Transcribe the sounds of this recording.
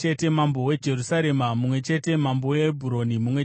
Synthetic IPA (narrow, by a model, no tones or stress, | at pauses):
t͡ʃe̞te̞mambo̞we̞d͡ʒe̞rusaɾe̞mamumwe̞t͡ʃe̞te̞mambowebʱuɾo̞nimumwe